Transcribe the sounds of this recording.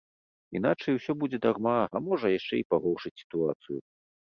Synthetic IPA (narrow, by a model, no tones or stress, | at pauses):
in̪at͡ʂɐjwsʲɔbud͡zʲɛd̪armaɐmɔʐɐjaʂt͡ʂɛipaɣɔwʂɨt͡sʲsʲi̥t̪uat̪sɨjṵ